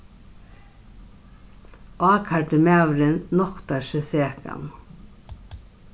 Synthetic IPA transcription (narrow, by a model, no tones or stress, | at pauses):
ʔaːkʰaʈɪmɛːwɾɪnːɔkt̪aʃɛseːka̰m